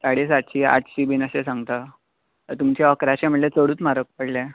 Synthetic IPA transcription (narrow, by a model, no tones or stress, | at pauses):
saɽesaʈɕiːa̰ʈʰɕiːbinəɕesãŋɡt̪a | ət̪umt͡ɕeəkɾaɕaməɽlet͡səɽuːt͡smaɾək̚pəɽljã